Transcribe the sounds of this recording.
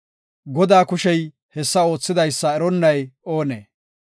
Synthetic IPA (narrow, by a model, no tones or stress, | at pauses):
ɡɔd̪aːkʊʃɛj | hɛsːɐo̞ːt͡sːɪd̪ɐjsːɐɛɾɔnːɐjo̞ːnḛː